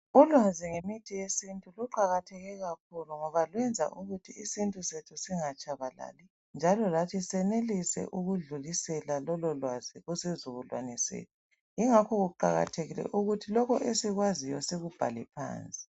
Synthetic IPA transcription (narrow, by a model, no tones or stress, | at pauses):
ulwaziŋemitʰijesintʼuluǃaɣatʰɛɣɛɣak̚ʰuluŋɔβalwɛnd͡zʱa̰ʔuɣutʰiisintʼusetʰusiŋat͡ʃʼaβala̰ːlɛ | nd͡ʒʱalɔlatʰisɛnelisɛ̰ʔuɣuɮuɣisɛlalɔlɔlwaz̥iɣusezuβulwa̰nɛsḛːtʰu | iŋakʰɔɣuǃa̰ɣa̰tʰeɣilɛ̰ʔuɣutʰilɔkɔʔesiɣwazijɔseɣub̥ʱa̰lɛpʰa̰ːnt͡sʼi̥